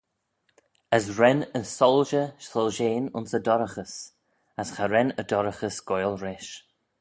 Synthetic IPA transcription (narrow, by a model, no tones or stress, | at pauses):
əsɹɛnənsɔlˠʒəʃlɔlʒeːnʊ̰nsədɔɾəxəs | asxaɾɛnədɔɾəxəsɡ̥ɔjlˠɹɛʃ